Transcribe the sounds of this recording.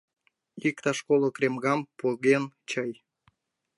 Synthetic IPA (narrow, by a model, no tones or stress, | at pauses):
ikt̪ɑʃkolokrʲemɣɑmpoɣent͡ɕəj